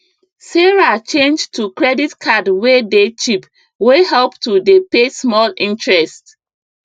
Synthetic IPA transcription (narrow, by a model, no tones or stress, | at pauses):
seɹat͡ʃẽnd͡ʒtukɹɛditkʰadwedet͡ʃip | weɦɛlptudepesmɔlĩntɹɛst